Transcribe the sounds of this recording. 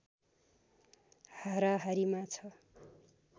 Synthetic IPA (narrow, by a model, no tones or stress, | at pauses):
haɾaɦaɾimat͡sʰʌ